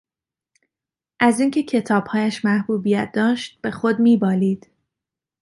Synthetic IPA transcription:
ʔæziːŋcʰe̞cʰe̞t̪ʰɒːb̥hɒːjæʃmæhbuːbijæt̪̚d̪ɒːʃt̪̚b̥e̞xod̪miːbɒːliːd̪̥

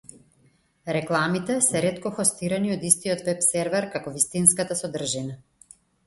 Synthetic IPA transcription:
ɾɛklˠamit̪ɛsɛɾɛt̪kɔxɔst̪iɾaniɔd̪ist̪iɔt̪vɛpsɛɾvɛɾkakɔvist̪inskat̪asɔd̪r̩ʒina

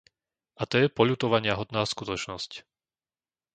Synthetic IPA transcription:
ʔat̪ɔjɛpɔʎuːt̪ɔʋaɲɪaɦɔt̪naːskut̪ɔt͡ʃnɔsc

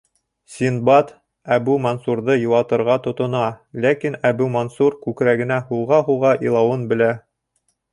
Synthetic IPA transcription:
sʲinbɑt̪ | æbʉmɐnsuɾðɤjŭw̪ˠɑt̪ɤ̆ɾʁɑt̪ŏt̪ŏnɑlækinæbʉmɐnsuɾkʉkɾæɡɘ̆næhulˠʁɑɦuʁɑʔilˠɑwɤnbɘ̆læ

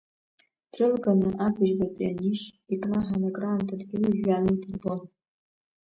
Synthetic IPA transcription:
d̥rɨlɡanɨʔaɡʰɨʒbapʼianiʃikʼnaħanaɡʼramtʰadɡʲɪlaʒᶣanadɨrbon

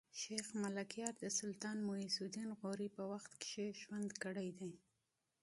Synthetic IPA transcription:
ʃexmalakjɑɾd̪əsʊlt̪ɑnmʊisud̪inɣoɾipəwaxt̪kɪ̥ʃeʒwand̪kəɽajd̪aj

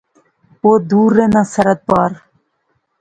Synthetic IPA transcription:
od̪uːɾːenasɐɾɐt̪̚bɑːɾ

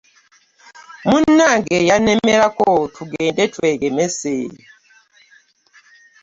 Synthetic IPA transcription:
munːaɡɛjanɛmɛlakɔtʰuɡɛːndɛtʰwɛɡɛmɛseːli

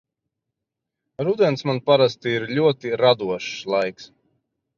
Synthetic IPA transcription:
ɾud̪ɛnsmanpaɾast̪iiɾlʲuɔt̪iɾad̪uɔʃslˠajks

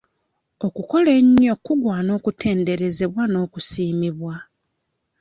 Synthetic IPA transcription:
o̞kuko̞leɲːo̞kːuɡwaːno̞ːkutʰe̞ːnde̞ɾe̞ze̞βwano̞ːkusiːmiβwa

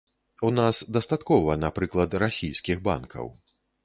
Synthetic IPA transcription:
unasd̪ɐst̪at̪kɔvɐnapɾɨklˠɐt̪rasʲijskʲiɣba̰nkʰɐ̰w

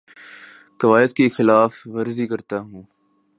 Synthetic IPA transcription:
kɐʋaːjət̪kexɪlaːfʋɐɾzikɐɾt̪aɦũː

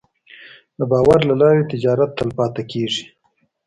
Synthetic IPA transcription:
d̪əbɑːwaɾlalɑɾet̪ɪd͡ʒɑɾat̪ːəlpɑt̪akeʐi

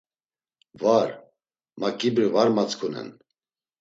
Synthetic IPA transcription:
vaɾ | makʼibɾvaɾmat͡skʰunɛ̰n

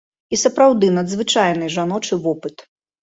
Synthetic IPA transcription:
isɐpɾawd̪ɨnɐd̪zvɨt͡ʂajnɨʐanɔt͡ʂɨvɔpɨt̪

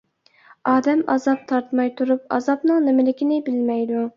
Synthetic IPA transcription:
ɑːd̪ɛmɑ̰zɑp̚t̪ʰɑɾt̪mɑjt̪ʰuɾupɑ̰zɑpnɨŋnɪmɪlɪkʲinɪbɪlmɛjd̪u

